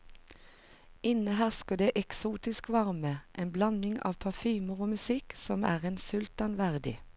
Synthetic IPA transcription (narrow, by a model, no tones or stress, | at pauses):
ɪnəɦæːʁskɑd̪eːʔɛksuːt̪ɪskʋɑʁməʔeːnblɑnɪŋɑ̰ːʋpʰɑfyːməʁoːmʉsɪksɔmæːʁeːnsʉlt̪ɑnʋæʁd̪ɪ̰